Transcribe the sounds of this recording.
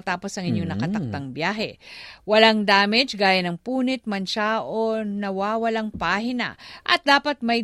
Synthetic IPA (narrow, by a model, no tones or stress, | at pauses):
t̪aːpo̞sɐŋʔɪɲjoŋnɐkɐt̪ɐk̚t̪aŋbjaːɦɛ̰wɐlaŋd̪aːmɛd͡ʒɡaːjɐnɐŋpuːnɪt̪̚mɐnʃaʔonɐwaːwɐlaŋpaːɦɪnɐ̰ʔɐ̰t̪̚d̪aːpɐt̪̚mɐj